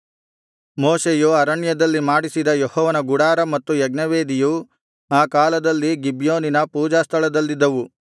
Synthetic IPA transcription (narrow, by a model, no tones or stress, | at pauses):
moːseːjuɐɾɐɳjɐd̪ɐlːimaːɽisid̪ɐjehɔːʋɐnɐɡuɽaːɾɐmɐt̪ːujɐɡnɐʋeːd̪iju | aːkaːlɐd̪ɐlːiɡibjoːninɐpuːd͡ʒaːst̪ʰɐɭɐd̪ɐlːid̪ːɐʋu